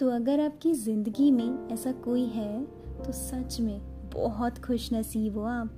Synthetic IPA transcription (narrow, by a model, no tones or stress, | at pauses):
t̪oɐɡəɾaːp̚kizɪ̃nd̪əɡimẽɛːsakoːiɦɛ | t̪osɐt͡ʃmẽ | bɔ̰ɦɔt̪xʰʊʃnɐsiːʋoaːp